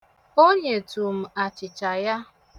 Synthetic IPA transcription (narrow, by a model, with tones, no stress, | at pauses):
o˦ɲe˨tu˨m̩˨a˨t͡ʃɪ˨t͡ʃa˨ja˦